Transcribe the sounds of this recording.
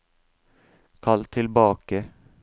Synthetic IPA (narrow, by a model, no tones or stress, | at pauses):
kʰɑlt̪ʰɪlbɑːkə